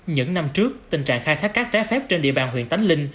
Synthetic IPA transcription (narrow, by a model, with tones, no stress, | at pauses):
ɲɨ̰˧˥ŋna˧mt͡ɕɨ˦˥ək̚t̪ï˨˩ŋ̟t͡ɕa̰ː˧˨ŋxaː˧jt̪ʰaː˦˥kːa˦˥k̚t͡ɕaː˦˥fɛ˦˥p̚t͡ɕe˧nɗḭ˧əɓaː˨˩nɦwḭ˧˨ənt̪a˨˦jŋ̟lï˧ŋ̟